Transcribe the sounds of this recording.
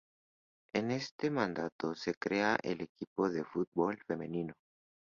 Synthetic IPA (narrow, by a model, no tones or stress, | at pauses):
ene̞st̪emãnd̪at̪osekɾeaʔḛlekipoðefut̪̚bolfemẽnĩno